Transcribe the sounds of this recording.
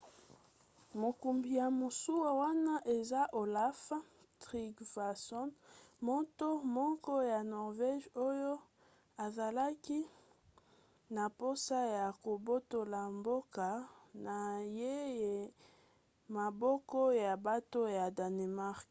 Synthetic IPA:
mo˨ku˨mbi˨ja˨mo˨su˦wa˨wa˦na˦ʔe˨za˦ʔo˨la˦fa˦ | tʁi˦kva˨sɔ˦nmɔ˦to˦mɔ˦kɔ˦ja˨nɔ˨ʁve˦ʒo˦jo˦ | a˨za˨la˦ki˦ | na˨po˦sa˦ja˨ko˨bo˦to˨la˨mbo˦ka˨na˨je˦je˨ | ma˨bɔ˦kɔ˦ja˨ba˦to˦ja˨da˨ne˨ma˦ʁk

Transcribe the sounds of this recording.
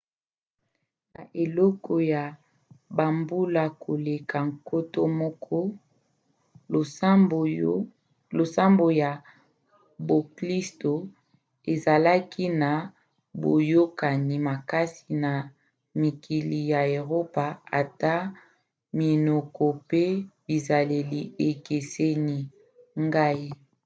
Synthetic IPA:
na˨ʔe˨lɔ˦kɔ˨ja˨ | ba˨mbu˦la˨kʰo˨le˨kʰa˨ŋko˦to˦mɔ˦kʰɔ˦˨˦ | lo˨sa˦mbo˨ja˨ | bo˨kli˦sto˨ | e˨za˨la˦ki˦na˨ | bo̰˨jo˦ka˨ni˨ma˨ka˦si˨na˨ | mi˨ki˨li˨ja˨e˨ʁo˦pa˨a̰˨ta˦ | mi˨no˨kʰɔ˨pe˦bi˨za˨le˨li˨e˨ke˨se˦ni˨ | ŋɡa˦i˦

